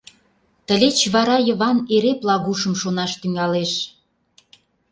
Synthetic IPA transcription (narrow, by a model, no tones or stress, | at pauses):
t̪ə̆lʲet͡ɕβɑɾɑjə̆βɑneɾeplɑɣuʃə̆mʃonɑʃt̪yŋɑleʃ